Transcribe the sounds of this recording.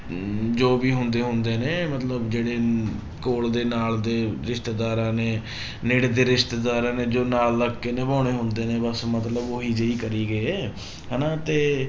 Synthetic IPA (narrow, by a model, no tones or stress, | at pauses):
d͡ʒoːbiːɦʊnd̪eːɦʊnd̪eːneːmət̪ləbd͡ʒeːɽeː | koːld̪eːnaːld̪eːɾɪʃt̪eːd̪aːɾãːneː | nɪɽd̪eːɾɪʃt̪eːd̪aːɾãːneːd͡ʒoːnaːlːəɡkːeːnẽːbaːɽ̃eːɦʊnd̪eːneːbəsmət̪ləboɦiːd͡ʒeiːkəɾiːɡəː | ɦɛːnaːt̪eː